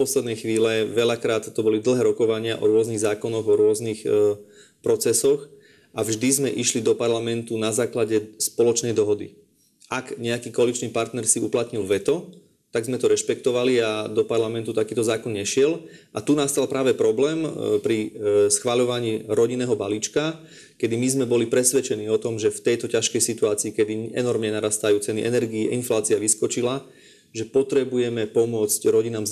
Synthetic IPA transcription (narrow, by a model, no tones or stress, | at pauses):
pɔslɛd̪nɛjxʋiːlɛʋɛʎakɾaːt̪ːɔbɔlid̪l̩ɦɛːɾɔkɔʋaɲɪaʔɔɾʊɔzniɣzaːkɔnɔɣɔɾʊɔznix | pɾɔt͡sɛsɔx | ʔavʒd̪izmɛʔiʃlid̪ɔpaɾlamɛnt̪unazaːklaɟɛspɔlɔt͡ʃnɛjd̪ɔɦɔd̪ḭ | aɡɲɛakiːkɔalit͡ʃniːpaɾt̪nɛɾsiuplat̪ɲilʋɛt̪ɔ | t̪aɡzmɛt̪ɔɾɛʃpɛkt̪ɔʋaliad̪ɔpaɾlamɛnt̪ut̪akiːt̪ɔzaːkɔnɲɛʃɪɛlʔat̪unast̪alpɾaːʋɛpɾɔblɛːmpɾisxʋaʎɔʋaɲiːɾɔɟinːɛːɦɔbaliːt͡ʃka | kɛd̪imizmɛbɔlipɾɛsʋɛt͡ʃɛniːɔt̪ɔmʒɛft̪ɛjt̪ɔcaʃkɛjsit̪uaːt͡siːkɛd̪iɛnɔɾmɲɛnaɾaːst̪ajuːt͡sɛniʔɛnɛɾɡiiʔinflaːt͡siaʋiskɔt͡ʃila | ʒɛpɔt̪ɾɛbujɛmɛpɔmʊɔt͡scɾɔɟinaːm